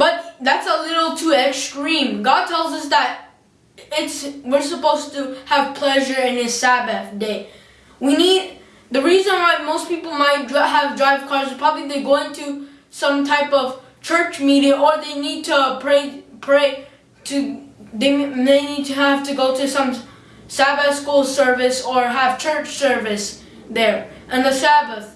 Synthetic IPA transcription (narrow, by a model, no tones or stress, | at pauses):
b̥ʌt̪̚ðætsəlɪɾl̩ˠtʰuɪkstɹĩmɡɑd̚tʰɛlˠzʌsðəɾ | ɪtswɪɹsəpoʊstɨːv̥pʰl̥ɛʒə˞ɪ̃nɨsæbɨθdeɪ | winid | ðɨɹizə̃nwaɪmoʊspipl̩ˠmaɪt̚dɹəvdɹaɪv̥kʰɑɹzɨz̥pʰɹ̥ɑbəbliðeɪɡoʊɪ̃ntʰu | sʌ̃mtʰaɪpʌv̥ | t͡ʃʰɜ˞t͡ʃmiɾiəʔə˞ðeɪnid̚tʰɨpʰɹ̥eɪpʰɹ̥eɪ | tʰɨðeɪðeɪnid̚tʰɨæv̥tɨɡoʊɾɨsʌ̃m | sæbɨθskulˠsɜ˞vɨsə˞əv̥t͡ʃʰɜ˞t͡ʃsɜ˞vɨs | ðə˞ | ʔɨ̃nðɨsæbəθ